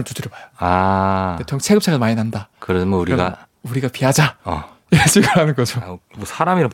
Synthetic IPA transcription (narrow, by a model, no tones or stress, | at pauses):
mɯɭtutɯɾbajoaetʰjʌŋt͡ɕʰeɡɯp̚t͡ɕʰaɡmaɲinɦandakɯɾemonuɾiɡa̰ | uɾiɡapiɦad͡ʑa | iɾɕ͈ʰiɡɯɦanɯnɡʌd͡ʑomosʰaɾamiɾam